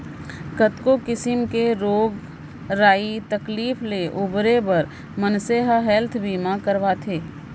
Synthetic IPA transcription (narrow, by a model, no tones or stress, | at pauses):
kət̪kokɪsɪmkeɾoːɡ | ɾaːit̪ɐkliːfleʔʊbɾebɐɾ | mənseɦɦɛlt̪ʰbiːmakɐɾʋat̪ʰeː